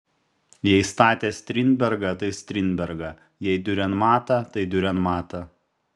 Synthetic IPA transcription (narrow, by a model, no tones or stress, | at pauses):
jɛɪst̪ɑːt̪ʲeːsʲt̪ʲɾʲɪnʲbʲɛɾɡɑt̪ɐɪsʲt̪ʲɾʲɪnʲbʲɛɾɡɑ | jɛɪd̪ʲʊɾʲɛnt̪mɑːt̪ɐt̪ɐɪd̪ʲʊɾʲɛnmɑːt̪ɐ